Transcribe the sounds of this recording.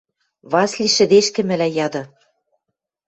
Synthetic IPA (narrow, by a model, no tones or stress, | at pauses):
βɑslʲiʃɘ̆d̪eʃkɘ̆mɘ̆læjɑd̪ɤ̆